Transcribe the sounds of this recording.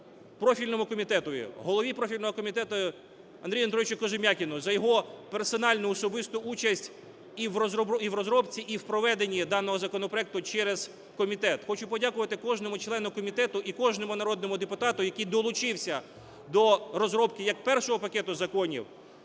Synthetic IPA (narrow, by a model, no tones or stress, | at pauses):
pɾɔfʲilʲnɔmʊkɔmʲit̪ɛt̪ʊjʊ̰ɦɔlˠɔʋʲipɾɔfʲilʲnɔɦɔkɔmʲit̪ɛt̪ʊ | ɐnd̪ɾʲijʊɐnd̪ɾɔɪt͡ʃʲʊkɔʒɪmʲɑkʲɪnʊzɐjɔɦɔpersɔnɑlʲnʊːsɔbɪst̪ʊʔut͡ʃɐsʲtʲ | iwɔzɔbiwrɔzɾɔbt͡sʲiʔiwpɾɔʋɛd̪enʲːid̪ɑnɔɦɔzɐkɔnɔpɾɔɛk̚t̪ʊt͡ʃɛɾez̥ | kɔmʲit̪ɛt̪xɔt͡ʃʊpɔdʲakʊʋɐt̪ɪkɔʒnɔmʊt͡ʃlˠɛnʊkɔmʲit̪ɛt̪ʊʔikɔʒnɔmʊnɐɾɔd̪nɔmʊd̪epʊt̪ɑt̪ʊjɐkijd̪ɔlˠʊt͡ʃɪwsʲɐ | d̪ɔɾɔzɾɔbkɪjɐk̚pɛrʃɔɦɔpɐkɛt̪ʊzɐkɔnʲḭw